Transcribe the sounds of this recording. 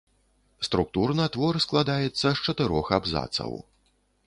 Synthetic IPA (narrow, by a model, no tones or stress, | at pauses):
st̪ɾuk̚t̪urnɨat̪vɔrsklˠad̪ajɛt̪sːɐst͡ʂɐt̪ɨɾɔxabza̰t̪sɐ̰w